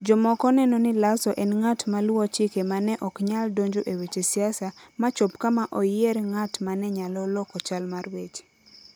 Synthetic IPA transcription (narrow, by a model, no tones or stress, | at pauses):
d͡ʒɔmɔkɔnɛnɔnɪlasɔʔɛnŋatmalwot͡ʃikemanɛʔɔkɲaldoɲd͡ʒoʔewet͡ʃesiasamat͡ʃopkamaʔɔjɪeɾŋatmanɛɲalɔlɔkɔt͡ʃalmarwet͡ʃ